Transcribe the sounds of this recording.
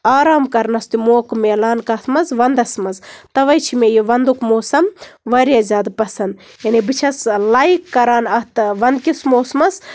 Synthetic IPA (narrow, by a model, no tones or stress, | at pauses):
aːɾaːmkɐɾnɐst̪umoːkmeːlaːnkɐt̪mɐzʋɐnd̪ɐsmɐzt̪ɐʋɐjt͡ʃʰimejiʋɐnd̪ukmoːsɐmʋɐɾijazʲaːd̪pɐsɐnd̪ | jɐnibɨt͡ʃʰɐslɐjkːɐɾaːnɐht̪ʋɐnd̪̚kismoːsmɐs